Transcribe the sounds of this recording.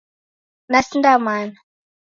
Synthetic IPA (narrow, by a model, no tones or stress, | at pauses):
nasindamana